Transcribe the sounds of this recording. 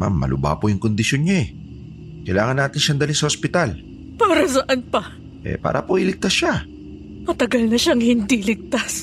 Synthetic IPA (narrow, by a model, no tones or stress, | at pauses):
ma̰mːɐ̰lʊ̰ba̰ːpojʊŋkond̪ɪʃjonɲoɛ | kɐjlaːŋɐnːaːt̪ɪnʃɐnd̪ɐlinsɐhospɪt̪al | paːɾɐs̬ɐʔɐnpɐ | ʔɛ̰pa̰ːɾʔɐ̰poʔɪlɪk̚t̪asʃa | mɐt̪ɐɡɐlnɐʃaŋhɪnd̪ilɪk̚t̪as